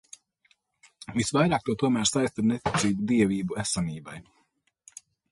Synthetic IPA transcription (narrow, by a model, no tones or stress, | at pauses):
visvajɾaːk̚t̪uɔt̪uɔmæːɾsajst̪aɾnet̪it̪siːbud̪iɛviːbuæsaniːba̰j